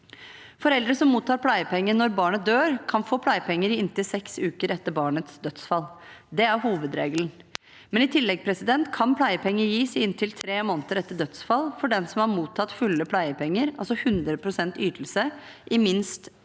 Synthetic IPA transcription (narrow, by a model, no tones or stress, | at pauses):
fɔɾɛld̪ɾəsɔmːuːt̪ʰːɑːɾpʰlæɪəpʰɛŋːənɔɾbɑːɳət̪̚d̪øːɾkʰɑnfoːpʰlæɪəpʰɛŋːəɾɪɪnt̪ɪlsɛksʉːkəɾɛt̪ːəɾbɑːɳət̪sd̪œt̪sfɑlːd̪ɛæɾhuːʋəd̪ɾḛːɡəln̩ | mɛnɪt̪ʰɪlːɛɡ̚pʰɾɛsɪd̪ɛnt̪kʰɑnpʰlæɪəpʰɛŋːəjiːsɪɪnt̪ʰɪlt̪ʰɾeːmoːnt̪əɾɛt̪ːəɖœt̪sfɑlfɔɖɛnsɔmɑɾmuːt̪ʰːɑt̪fʉlːəpʰlæɪəpʰɛŋːəɾɑlsɔhʉnd̪ɾəpʰɾʊsɛnt̪yːt̪əl̩sə | ʔɪmɪnst̪